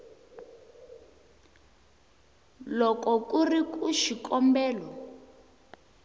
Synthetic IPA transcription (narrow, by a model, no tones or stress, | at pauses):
lɔkɔkurikuʃikʼɔmbɛːlɔ